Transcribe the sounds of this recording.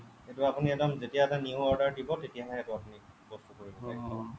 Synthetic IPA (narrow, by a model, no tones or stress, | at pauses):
etuapuniɛtɔmzetijaɛtaniuɔɹdaɹdibɔtetijaɦɔjɛtʊapuni | bɔstukoɹibɔɛ